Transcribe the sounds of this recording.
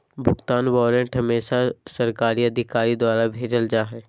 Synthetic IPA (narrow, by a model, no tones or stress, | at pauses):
bʱʊɡt̪aːnwɔːɾəɳʈɦɐmeːʃasɐɾkaːɾiɐd̪ʱɪkaːɾid̪waːɾabʱeːd͡ʒəld͡ʒaːɦɛː